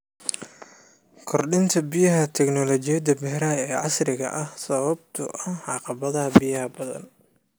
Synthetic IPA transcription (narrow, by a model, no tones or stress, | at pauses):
kʰɔrɗɪnt̪ʰɐbɪjɐɦɐt̪ʰɛknɔlɔt͡ʃɪjɐd̪ɐbɛhɾaːɛːʕɑsrɪɣɐ̰ʔɐhsɐβɐb̚t̪ʰʊ̰ʔɐhʕɑqɑβɐðɐɦɐbɪjɐhɐbɐðɐ̰n